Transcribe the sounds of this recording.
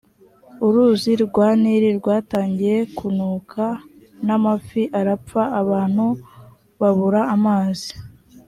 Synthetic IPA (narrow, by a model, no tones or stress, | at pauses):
uɾuziɾɡwaːniɾiɾɡwaːtaːɲɟije̞kunuːkʰa | namafiʔaɾap͡faʔːβaːn̥hu | βaβuɾaːmaːzi̥